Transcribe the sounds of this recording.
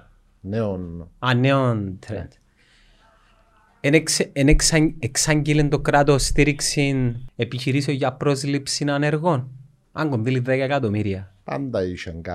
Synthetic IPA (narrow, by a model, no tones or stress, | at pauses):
neonanːeont̪ʰɾḛnt̪ | enkseneksaeksaɲɟelind̪okɾat̪ost̪iɾiksinepiçiɾiseoʝɐpɾo̞zlipsinaneɾɣo̞n | a̰ŋɡonðiliðekɐekat̪omiɾiɐpa̰nd̪ɐiʃeŋɡa